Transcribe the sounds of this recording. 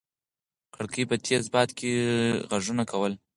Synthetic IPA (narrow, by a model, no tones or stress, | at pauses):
kaɽkijpət̪ʰesbɑt̪keɣaʐunakʰawəl